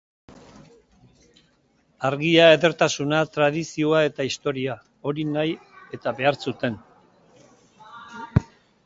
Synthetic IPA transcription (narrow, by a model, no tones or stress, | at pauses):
aɾɣiaeðe̞ɾt̪asunat̪ɾað̞isio̞ae̞t̪aist̪o̞ɾia | o̞ɾinaje̞t̪aβe̞aɾsut̪e̞n